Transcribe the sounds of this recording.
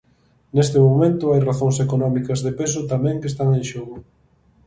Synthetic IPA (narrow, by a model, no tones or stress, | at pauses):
nest̪ɪmomẽnt̪ʊajraθoŋsekonɔmikɐzðepesʊt̪amɛ̃ŋkest̪aŋẽnʃoɣʊ